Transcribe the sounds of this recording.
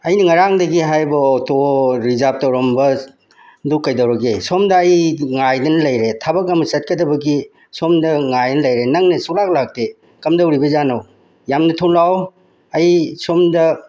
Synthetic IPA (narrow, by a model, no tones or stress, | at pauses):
ɐjnɐŋaɾaŋdɐɡiɦajbɐɔtoɾizap̚tɐwɾombɐ | dukːɐjdɐwɾɐɡesomdɐːjŋajdɐnɐlɐjɾetʰabɐk̬ɐmɐsɐt̚kɐdɐbɐɡi | somdɐŋajnɐlɐjɾenɐŋnɐsuk̚lak̚lak̚te | kɐmdɐwɾibɐzanɐw | jamnɐtʰolaw | ɐjsomdɐ